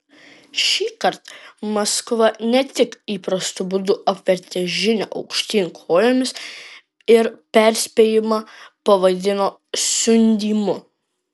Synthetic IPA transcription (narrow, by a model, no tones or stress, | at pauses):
ʃʲiːkɐɾt̪mɐskʋɐnʲɛt̪ʲɪkiːpɾɐst̪ʊbʊd̪ʊʔɐpʲʋʲɛɾʲt̪ʲɛʒʲɪnʲoːʔɐ̰ʊkʃʲt̪ʲiːnʲkʰoːlʲomʲɪs | ɪɾpʲɛɾʲsʲpʲeːjɪmɑpɐʋɐd̪ʲɪnoː | sʲʊnʲd̪ʲiːmʊ